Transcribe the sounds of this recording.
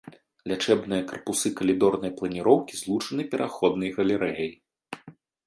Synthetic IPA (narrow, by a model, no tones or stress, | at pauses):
lʲat͡ʂɛbnɨjɐkɐrpusɨkɐlʲid̪ɔrnɐjplˠɐnʲiɾɔwkʲizlˠut͡ʂɐnɨpʲɛɾʔaxɔd̪nɐjɣɐlʲɛɾɛjɐj